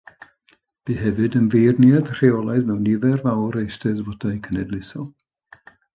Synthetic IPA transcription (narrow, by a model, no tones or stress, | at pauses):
b̥iɦɛvɨdənvejrnjad̥r̥eɔlˠaɨðmɛwnɪvɛrvawɾejstɛðvɔdajkʰənɛdlˠɪθɔlˠ